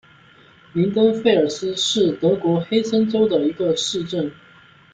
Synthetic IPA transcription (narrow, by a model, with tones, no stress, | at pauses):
li˧˥ŋt̪ə˥ŋfe˥˩ɪə˞˨˩sɹ̩˥ʂɻ̩˥˩t̪ɤ˧˥kwɔ˧˥xe˥ɪsʰə˥nʈ͡ʂo˥ʊd̪ə˨i˧˥ɡə˧ʂɻ̩˥˧ʈ͡ʂə˥˩n